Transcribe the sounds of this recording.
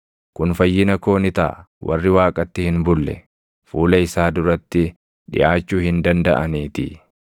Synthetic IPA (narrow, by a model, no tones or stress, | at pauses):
kʊnfɐjːɪnɐko̞ːnɪt̪a̰ | wɐ̰rːɪwaːkʼɐt̪ːɪhɪnbʊlːɛ̰ | fuːlɐɪsaːd̪ʊɾɐt̪ːɪ | ᶑɪ̰ʔaːt͡ʃːuːhɪnd̪ɐnd̪ɐʔɐniːt̪ɪ̰